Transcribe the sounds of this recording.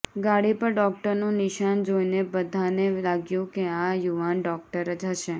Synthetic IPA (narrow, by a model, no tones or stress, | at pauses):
ɡaɽipəɾɖɔk̚ʈəɾnũnɪʃand͡ʒoinebəd̪ʱanelaɡjũkeajuʋanɖɔk̚ʈəɾd͡ʒəʃe